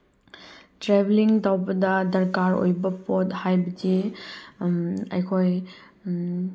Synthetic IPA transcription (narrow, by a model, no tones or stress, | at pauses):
tɾebliŋtawbɐdɐdɐɾkaɾo̰jbɐpot̚hajbɐdi | ɐ̰jkʰoj